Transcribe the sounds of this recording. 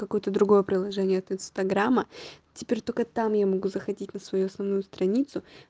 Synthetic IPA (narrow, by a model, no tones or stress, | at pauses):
kɐko̞jət̪əd̪ɾʊɡo̞jəpɾʲɪlˠɐʐɛnʲɪjəɐt̪ɪnst̪ɐɡɾamːətʲɪpʲeɾʲt̪o̞lʲkət̪amjamɐɡuzəxɐdʲitʲnəsvɐjuɐsnɐvnujʊst̪ɾɐnʲit̪sʊ